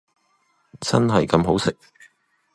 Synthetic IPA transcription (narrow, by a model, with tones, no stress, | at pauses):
t͡sɐ̰˥nɦɐ˨jkɐ˧mɦo˨˥wsɪ˨k̚